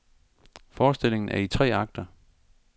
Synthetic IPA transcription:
fɒːsd̥e̝l̰e̝ŋn̩ʔæɐit͡sʰʁɛ̰ːɑ̈ɡ̥̚d̥ɐ

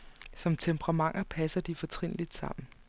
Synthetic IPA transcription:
sɒ̽mt͡sʰempʰʁɑ̈mɑ̈ŋ̰ɐpʰæsɐd̥ifɒ̽t͡sʰʁeŋn̰lid̥sɑ̈m̰n̩

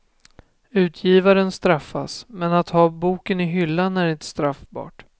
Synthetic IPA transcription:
ʉ̟ːt̪ʰjiːvaɾənst̪ɾafːa̰smɛnat̪hɑːbuːkənɪɦʏlːanːæɾɪnt̪st̪ɾafbɑ̰ːʈ

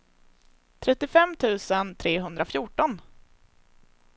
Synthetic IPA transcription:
t̪ʰɾɛt̪ːɪfɛmt̪ʰʉ̟ːsənt̪ʰɾeːɦɵnd̪ɾafjʊːʈɔn

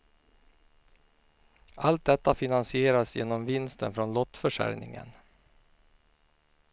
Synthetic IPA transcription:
ʔalt̪̚d̪ɛt̪ːafɪnansɪeːɾasjḛːnɔmvɪnst̪ənfɾɔnlɔt̪ːfœʂæ̰ɾnɪ̰ŋə̰n

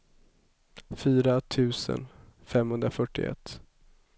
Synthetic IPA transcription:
fyːɾat̪ʰʉ̟ːsə̰nfɛmhɵnd̪ɾafœʈːɪɛ̰t̪ː

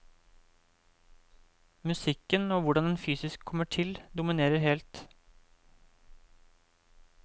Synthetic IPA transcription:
mʉsɪkːənoːʋʊɖɑnd̪ɛnfyːsɪskʰːɔmːəʈʰɪld̪ʊmɪneːɾəɾhɛːlt̪

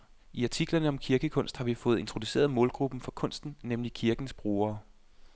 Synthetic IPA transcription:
iɑ̈t͡sʰiɡ̥lɐnəɒ̽mkʰiɐɡ̥əkʰɔ̽n̰sd̥hɑ̈ʋifɔ̽ːð̞̩ˠe̝nt͡sʰʁo̝d̥use̝̰ːɐð̞ˠmɔ̽ːlɡ̥ʁub̥n̩fɒ̽kʰɔ̽n̰sd̥n̩nemlikʰiɐɡ̥n̩sb̥ʁo̝ːɐː

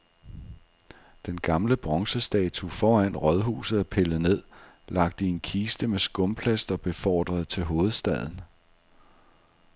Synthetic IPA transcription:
d̥enɡ̥ɑ̈mləb̥ʁɒ̽ŋsəsd̥ɛ̰ːt͡sʰufɒːæn̰ʁɒð̞ˠɦṵːsð̩ˠæpʰeləne̝ð̞̰ˠ | lɑ̈ɡ̥̚d̥əienkʰiːsd̥əmesɡ̥ɔ̽mpʰlæsd̥ɒ̽b̥e̝fɒ̰ːd̥ʁɐð̞̩ˠt͡sʰe̝lɦo̝ːð̞̩ˠsd̥ɛð̞̰ˠn̩

